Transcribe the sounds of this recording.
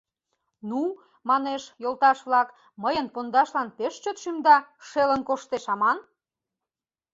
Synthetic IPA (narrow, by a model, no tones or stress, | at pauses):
nu | mɑneʃjolt̪ɑʃβlɑk | məjənpond̪ɑʃlɑnpeʃt͡ɕot̪ʃymd̪ɑʃelənkoʃt̪eʃɑmɑn